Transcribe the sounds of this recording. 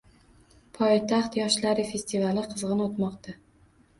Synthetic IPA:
pʰɒjt̪ʰaχt̪jɒʃlaɾɪfe̞st̪ʰivalɪqʰɨzʁɨnot̪mɒqt̪ʰa

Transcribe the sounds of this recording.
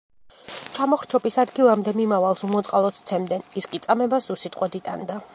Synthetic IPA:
t͡ʃʰamɔχɾt͡ʃʰɔbisad̪ɡilˠamd̪ɛmimavalˠsumɔt̪sʼqʼalˠɔt̪ʰt̪sʰɛmd̪ɛniskʼit̪sʼamɛbasusit̪ʼqʼwɛd̪it̪ʼa̰nd̪a

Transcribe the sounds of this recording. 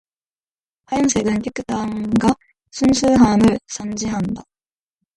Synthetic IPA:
ɸajʌnsʰeɡɯnkek͈ːɯt͈aŋɡa | sʰunsʰuɦamɯɭsʰand͡ʑiɦanda

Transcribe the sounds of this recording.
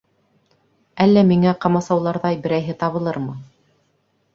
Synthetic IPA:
ælːæmiŋæqɑmɑsɑwlˠɑɾðɑjbɘ̆ɾæjɦɘt̪ɑβɤ̆lˠɤɾmɤ

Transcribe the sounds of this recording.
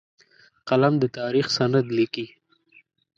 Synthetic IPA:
qalamd̪ət̪ɑɾixsanad̪liki

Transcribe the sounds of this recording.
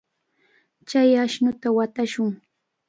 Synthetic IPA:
t͡ʃajaʃnʊt̪awat̪aʃʊŋ

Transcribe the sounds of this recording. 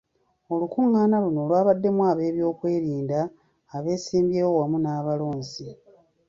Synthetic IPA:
o̞lukuŋːaːnalunoːlwaːβadːe̞mwaːβe̞ːβjo̞ːkwe̞ːɾiːndaː | βe̞ːsiːmbjeːwowamunaːβalo̞ːnzi

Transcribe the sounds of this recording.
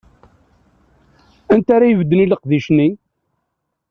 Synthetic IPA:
ænt̪aɾajəvəd̪ːəniləqðiʃni

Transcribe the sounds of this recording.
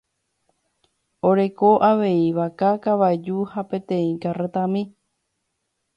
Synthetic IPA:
oɾe̞koʔaʋe̞iʋakakaʋaed͡ʒuhapẽ̞t̪ẽ̞ĩkaret̪ãmĩ

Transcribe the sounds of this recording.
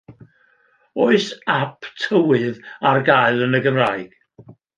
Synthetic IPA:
oɨsapʰtʰəwɨðarɡajlˠənəɡəmrajɡ̥

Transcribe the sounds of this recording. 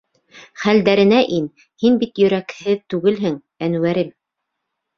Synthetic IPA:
χæld̪æɾɘ̆næʔin | hinbit̪jɵ̆ɾækhɘðt̪ʉɡɘlɦɘŋ | ænwæɾɘm

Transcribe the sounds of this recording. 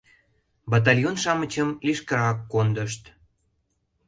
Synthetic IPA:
bɑt̪̬ɑlʲjonʃɑmət͡ɕəmliʃkəɾɑkːond̪əʃt̪

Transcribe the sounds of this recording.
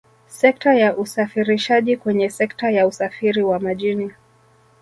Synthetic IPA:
sɛk̚tajaʔusafiɾiʃaʄikwɛɲɛsɛktajausafiɾiwamaʄini

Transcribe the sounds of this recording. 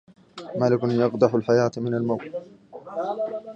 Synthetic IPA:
maːlɪkʊnjɑqd̪ˤɑħʊlħajaːt̪mɪnalmawt̪

